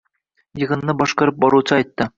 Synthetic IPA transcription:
jɤ̆ʁɤ̆nːɤbɒʃqɑɾɤp̚bɒɾut͡s̪ɑɒjt̪ːɤ

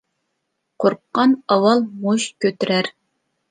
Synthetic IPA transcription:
qʰoɾqːɑnɑwɑlˠmoʃkʲʰøt̪yɾæɾ

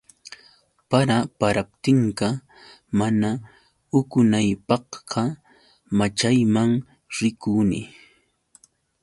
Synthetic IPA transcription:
paɾapaɾapt̪ɪɴka | mana | ʊkʊnajpɑhɢɑ | mat͡ʃajmaŋ | ɾɪkunɪ̰

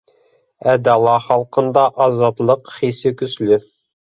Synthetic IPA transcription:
æd̪ɑlˠɑχɑlˠqɤ̆nd̪ɑʔɑzɑt̪lˠɤqχisɘkɵ̆slɘ

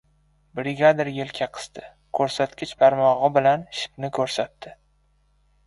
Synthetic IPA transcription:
bɾɪɡʲad̪ɪɾjelkʲʰaqʰɨ̥st̪ɪ | kʰɵɾsat̪kʲɪt͡ʃpʰaɾmɒʁɨbɪlanʃɪ̥pnɪkʰɵɾsat̪d̪ɪ

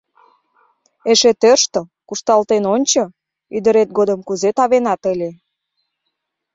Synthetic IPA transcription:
eʃet̪ørʃt̪okuʃt̪ɑlt̪enonʲt͡ɕo | yd̪əɾet̪̚ɡod̪əmkuzet̪ɑβenɑt̪əlʲe

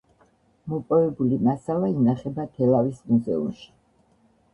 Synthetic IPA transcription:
mɔpʼɔvɛbulimasalainaχɛbat̪ʰɛlavismuzɛṵmʃi̥

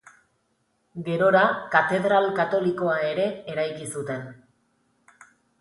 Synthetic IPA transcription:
ɡe̞ɾo̞ɾakat̪e̞ðɾalkat̪o̞liko̞ae̞ɾe̞ːɾajkisut̪e̞n

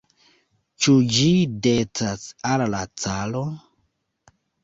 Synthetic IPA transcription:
t͡ʃud͡ʒidet͡sasallat͡salo

